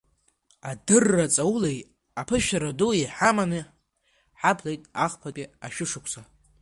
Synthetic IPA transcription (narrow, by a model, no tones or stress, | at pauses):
adɨrːat͡sʼawulej | apʰɨʃᶣaɾaduiħamanɨ | ħapʰlejtʼaχpʰapʲʼiaʃᶣʊʂɨkʷʰsa